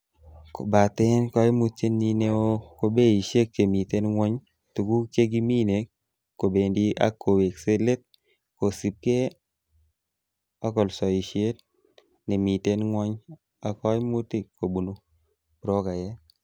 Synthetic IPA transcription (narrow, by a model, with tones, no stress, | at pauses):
ko̰˨ba˨t̪e˦nkɔ˦ɪ˦mu˦t̚t͡ʃe˦ni˦ne˦o˦ko˦be˦i˨ʃe˦k̚t͡ʃe˨mi˨te˦nŋwɔ˦ɲ | tu˨ku˦kt͡ʃe˦ɡi˦mi˦ne˨kː | o˨be˨ndi˦ʔa̰˦kːo˨we˨kse˦le˦t̪̚ | ko˨si˨p̚ke˦ | a˦kɔ˨lsɔ˨i˨ʃe˦t̚ | nɛ˨mi˨te˦nŋwɔ˦ɲ | a˨kɔ˦mu˦ti˨kʰːo˨bu˨nu˦ | bɾo˦ka˨jɛ˦